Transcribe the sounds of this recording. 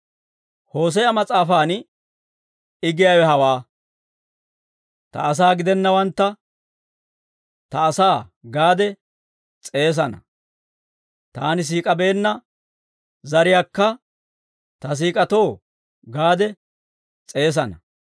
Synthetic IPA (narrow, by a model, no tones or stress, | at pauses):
ho̞ːs̬ɛjɐmɐt͡sʼaːfaːn | ɪɡɪjawɛhɐwaː | t̪ɐ̰ːs̬aːɡɪd̪ɛnːɐwɐnt̪ːɐ | t̪ɐːsaːɡaːd̪ɛ | t͡sʼe̞ːs̬ɐnɐ̰ | t̪aːnɪs̬iːkʼɐbe̞ːnːɐ | zɐɾɪjaːkːɐ | t̪ɐs̬iːkʼɐt̪o̞ː | ɡaːd̪ɛ | t͡sʼe̞ːs̬ɐnɐ